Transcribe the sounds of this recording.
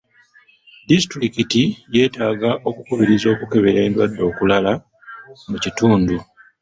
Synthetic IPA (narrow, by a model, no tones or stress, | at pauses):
distɾikitije̞ːtaːɡaʔo̞kukuβiɾizo̞ːkuke̞βe̞ɾe̞ːndwadːo̞ːkulala | mucituːndu